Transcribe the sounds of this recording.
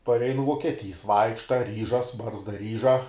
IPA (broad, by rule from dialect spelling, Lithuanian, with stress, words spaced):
pɐrʲˈɛɪnʊ ʋuɔkʲiɛˈtʲiːs ˈʋɐɪkʃtɐ ˈrʲiːʒɐs ˈbɐrzdɐ ˈrʲiːʒɐ